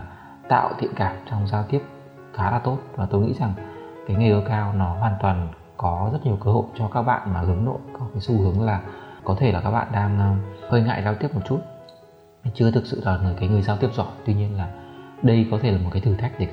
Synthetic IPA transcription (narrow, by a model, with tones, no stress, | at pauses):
t̪a̰ː˧˨wt̪ḭ˧˨ənkaː˨˩m̚t͡ɕɔ˧wŋ͡mzaː˧wt̪i˦˥əp̚ | xaː˨˦laː˨˩t̪o˦˥t̚vaː˨˩t̪o˧jŋḭ˧˥za˨˩ŋkaː˨˦jŋa˨˩ʔəː˨˧˦kaː˧wnɔ˨˦ɦwaː˨˩nt̪waː˨˩n | kɔ˨˦zə˦˥t̚ɲ˨˩əwkəː˧ho̰˧˨jt͡ɕɔ˧kaː˦˥k̚ɓa̰ː˧˨nmaː˨˩hɨ˨˦əŋno̰˧˨jkɔ˨˦kaː˨˦jsu˧hɨ˨˦əŋlaː˨˩kɔ˨˦t̪ʰe˧˩laː˨˩kaː˦˥k̚ɓa̰ː˧˨nɗaː˧ŋ˧həː˧jŋa̰ː˧˨jzaː˧t̪i˦˥əp̚mo˨˩t̚t͡ɕu˦˥t̚ | t͡ɕɨ˧ət̪ʰɨ˨˩k̚sɨ̰˧˨laː˨˩nəː˨˩jkaː˨˦jŋɨ˨˩əjzaː˧t̪i˦˥əp̚zɔ˧˩jt̪wi˧ɲi˧ənlaː˨˩ɗə˧jkɔ˨˦t̪ʰe˧˩laː˨˩m̚˨˩kaː˨˦t̪ʰɨ˨˩t̪ʰa˦˥jk̟̚ɗe˧˩˦